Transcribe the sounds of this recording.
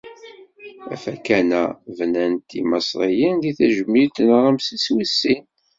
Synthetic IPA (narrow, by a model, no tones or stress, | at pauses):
æ̰fækænæ̰vnænt̪imɑsɾˤijinðiθæʒəmːit̪nʁˤəmsiswisːin